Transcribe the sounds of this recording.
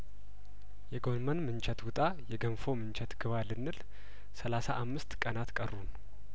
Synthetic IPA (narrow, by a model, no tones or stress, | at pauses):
jɛɡo̞nmənmɨnt͡ʃɛt̪wʊt̪ʼajɛɡəmfo̞mɨnt͡ʃʰɛt̪ɡ̥ɨβalɨnːɨl | səlasaʔamːɨst̪kʼənat̪kʼərːun